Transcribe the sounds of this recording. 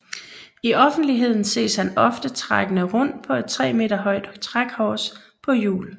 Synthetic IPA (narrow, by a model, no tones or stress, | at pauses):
iʔɒ̽fn̩d̥liɦe̝ð̞̰ˠn̩se̝̰ːshænɒ̽fd̥ət͡sʰʁaɡ̥ənəʁɔ̽n̰d̥̚pʰɒ̽e̝d̥̚t͡sʰʁɛ̰ːme̝̰ːd̥ɐɦɒ̽ɪ̰d̥t͡sʰʁaɡ̥hɒːs | pʰɒ̽jṵːl